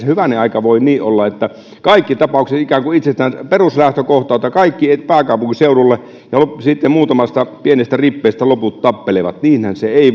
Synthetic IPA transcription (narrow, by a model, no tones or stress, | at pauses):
shyʋæneɑˑikɑʋoˑiniːʔolːɑet̪ːæ | kɑikːit̪ɑpɑˑukset̪ikæːŋkuit̪sest̪ænperuslæht̪økoht̪ˑɑˑːt̪ɑkɑikːiepæːkɑˑupuŋkiseˑurulːe | jɑlosit̪ːemmuːt̪ɑmɑst̪ɑpienest̪æripːeˑːst̪æloput̪t̪ɑpːeleʋɑt̪niːnhænseeˑi